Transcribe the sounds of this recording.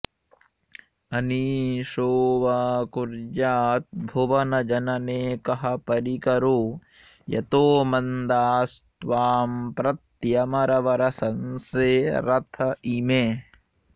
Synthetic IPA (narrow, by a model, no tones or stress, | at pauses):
ɐniːʃoːʋaːkuɾd͡ʒaːt̪̚bʱuʋɐnɐd͡ʒɐnɐneːkɐɦɐpɐɾikɐɾoː | jɐ̰t̪oːmɐnd̪aːst̪ʋaːmpɾɐt̪jɐmɐɾɐʋɐɾɐsɐnseːɾɐt̪ʰɐʔimeː